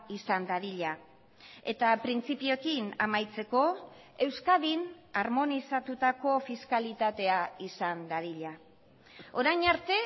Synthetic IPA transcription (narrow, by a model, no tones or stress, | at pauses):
isand̪aɾiʎa | e̞t̪apɾint͡sipio̞kina̰majt͡se̞ko̞ | e̞wskaðinaɾmo̞nisat̪ut̪ako̞fiskalit̪at̪e̞aisand̪aɾiʎa | o̞ɾajɲaɾt̪e̞